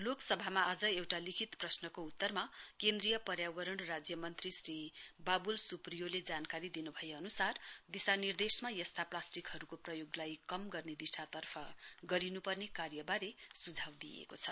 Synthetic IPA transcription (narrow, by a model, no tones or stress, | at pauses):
loksʌbʱamaːd͡zʌewʈalikʰit̪prʌsnʌkout̪ːʌrmakend̪rijʌpʌɾjawʌɾʌɳrad͡zjʌmʌnt̪risribabulsuprijoled͡zankaɾid̪inubʱʌjeʌnusard̪isanird̪esmajʌst̪ʰaplasʈikɦʌɾukoprʌjoɡlajkʌmɡʌrned̪isat̪ʌrpʰʌɡʌɾinupʌrnekarjʌbaɾesud͡zʱawd̪ijḛkot͡sʰʌ